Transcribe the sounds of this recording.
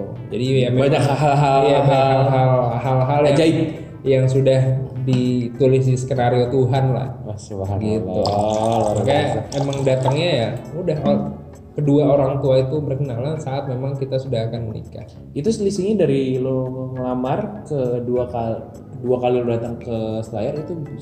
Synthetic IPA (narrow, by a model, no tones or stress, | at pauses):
d͡ʒadijamebaɲakaɦalɦajabaaakɦalaɦalɦaljad͡ʒa | jaŋsudahdit̪ulɪs̬iskəɾaɾiot̪uɦanla̰hasɡiupakaemaŋdat̪aŋɲajaudaɦa | kəduaoɾaŋt̪uait̪ubərkənalansaːt̪̚memaŋkit̪asudaɦakanmənḭka̰h | it̪uslisiŋɪndaɾiloməŋlamarkəduaka | əduakalilodat̪aŋkəsəɾajaɾit̪u